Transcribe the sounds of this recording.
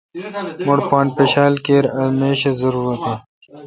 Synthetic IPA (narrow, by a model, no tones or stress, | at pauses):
moɽpaːnpeɕaːlkeːɾɐmeːɕɐzɐɾuːɾɐt̪e